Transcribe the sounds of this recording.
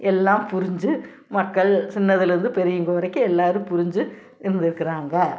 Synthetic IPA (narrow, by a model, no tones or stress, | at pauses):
ɛlːaːmpʊɾɪɲd͡ʒɯ | mɐkːɐɭsɪnːɐðɪlɪɾɯnd̪ɯpɛɾɪjɯŋɡoːʋɐɾɐɪkːɯɛlːaːɾɯ̃mpʊɾɪɲd͡ʒɯ | ɪɾɯnd̪ɪɾɯkːɪɾaːŋɡɐ